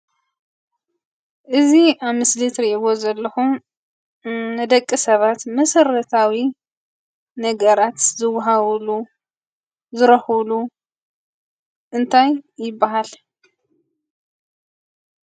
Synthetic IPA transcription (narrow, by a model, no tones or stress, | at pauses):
ʔɨziʔaβmɨslɨt̪ɾiʔɡozɐlːɐxum | nɨd̪ɐkʼːisɐβat̪mɐsɐɾɐt̪ʰawi | nɐɡɐɾat̪zɨwɦaβlu | zɨɾɐxɨlu | ʔɨnt̪ʰajːɪbːaɦal